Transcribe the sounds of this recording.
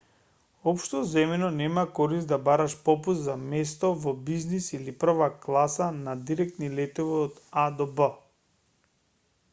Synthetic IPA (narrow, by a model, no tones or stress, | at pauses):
ɔpʃt̪ɔzɛmɛnɔnɛmakɔɾist̪̚d̪abaɾaʃpɔpuszamɛst̪ɔvɔbiznisilipr̩vaklˠasanad̪iɾɛkt̪nilɛt̪ɔviɔd̪ad̪ɔbə